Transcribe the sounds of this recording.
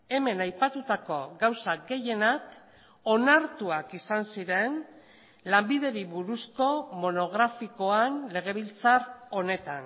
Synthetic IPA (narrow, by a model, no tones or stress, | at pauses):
e̞me̞najpat̪ut̪ako̞ɡawsaɡe̞je̞nak | o̞naɾt̪uakisansiɾe̞n | lambiðe̞ɾiβuɾusko̞mo̞no̞ɣ̞ɾafiko̞anle̞ɣ̞e̞β̞ilt͡saro̞ne̞t̪an